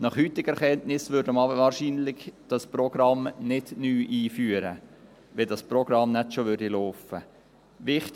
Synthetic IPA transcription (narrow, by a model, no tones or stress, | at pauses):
nɑχhyt̪ːɪɡ̥ɛɾχɛntnɪsʋʏɾdəmɑbəvɑːɾʃiːnlɪɡd̥ɑsprɔɡ̥ɾɑmnɪdnyːʔiːfyːəɾə̰ | ʋɛdɑsproɡ̥ɾɑmnɛtʃoʋʏɾd̥iloːfə | ʋɪχt